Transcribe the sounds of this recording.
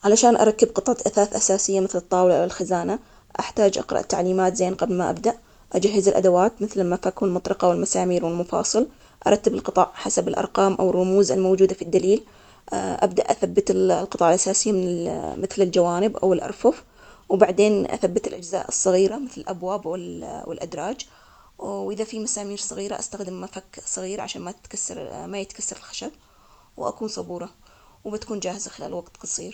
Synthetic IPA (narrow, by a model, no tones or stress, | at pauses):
ʕalaʃaːnʔɑ̰ɾˤɑkːɪbqɨt̪ˤʕɑt̪ʔaθaːθʔasaːsɪjːamɪθlɨt̪ˤːɑːwlaʔawɪlxazaːna | ʔaħt̪aːd͡ʒʔɑ̰qɾˤɑ̰ʔt̪ːa̰ʕliːmaːt̪zeːnqɑblmaʔa̰b̚d̪aʔ | ʔad͡ʒaɦːɪzɪlʔa̰d̪awaːt̪mɪθlɪlmafakwɪlmʊt̪ˤɾɑqɑwɪlmasaːmiːɾwɪlmʊfɑ̰ːsˤɨl | ʔɑɾˤɑt̪ːɪbɪlqɨt̪ˤɑʕħasabɪlʔɑ̰ɾˤqɑːmʔa̰wɪrˤːʊmuːzɪlmowd͡ʒuːd̪afid̪ːaliːl | ʔa̰bd̪aʔaθabːɪt̪lqɨt̪ˤɑːʕɪlʔasaːsɪjːamɪnɪmɪθlɪld͡ʒawaːnɪbʔa̰wɪlʔɑ̰ɾˤfʊf | wbaʕd̪eːnʔa̰θabːɪt̪ɪlʔad͡ʒza̰ːʔɨsˤːɑɣiːɾamɪθlɪlʔabwaːbwɪlwɪ̰lʔad̪ɾˤɑːd͡ʒ | wʔɪðafimasaːmiːɾsˤɨɣiːɾaʔast̪axd̪ɪmːafaksˤɨɣiːɾʕa̰ʃaːnmat̪t̪kasːɑ̰ɾˤmajɪt̪kasːɑɾˤɪlxḁʃab | wʔa̰kuːnsˤɑbuːɾˤɑ | wbɪt̪ḁkuːnd͡ʒaːhɪzaxɪla̰ːlwaɡt̪qɑsˤiːɾ